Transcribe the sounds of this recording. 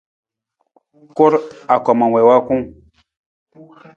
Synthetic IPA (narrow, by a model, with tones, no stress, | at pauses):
ko˦ɾa˨kɔ˨ma˨wɛ˨wa˦kũ˦